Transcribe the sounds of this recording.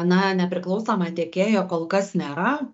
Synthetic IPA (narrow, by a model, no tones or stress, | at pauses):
ɐnɐnʲɛpʲɾʲɪklˠɐʊsoːmɐt̪ʲeːkʲeːjoːkoːlˠkɐsnʲeːɾɐ